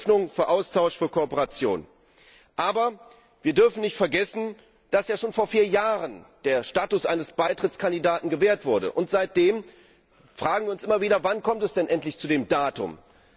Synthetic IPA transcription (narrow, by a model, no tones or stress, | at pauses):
nʊŋfyːɐʔaʊstʰaʊʃfyːɐkʰoɔpəʁat͡sjo̰ːn | ʔaːbɐ | viːɐdʏɐfn̩nɪçtfɛɐɡɛsn̩ | d̥asjaːʃoːnfoːɐfiːɐjaːʁənd̥eːɐʃtaːtʊsʔaɪnəsb̥aɪtʁ̥ɪt͡skʰandidaːtn̩ɡəveːɐtv̥ʊɐdə̰ʔʊntz̥aɪt̚d̥eːm | fʁ̥aːɡŋ̩viːɐʊnsʔɪmɐviːdɐvankʰɔmtɛsd̥ɛnʔɛntlɪçt͡sudeːmdaːtʊ̰m